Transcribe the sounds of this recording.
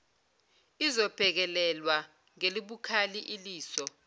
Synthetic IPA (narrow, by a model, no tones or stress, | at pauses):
izɔb̥ʱɛk̬ɛlɛlwa | ŋeliɓukʰaliʔiliːsɔ